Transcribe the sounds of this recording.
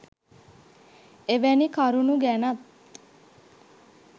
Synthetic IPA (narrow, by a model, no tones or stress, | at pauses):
eʋænikaɾunuɡænɐt̪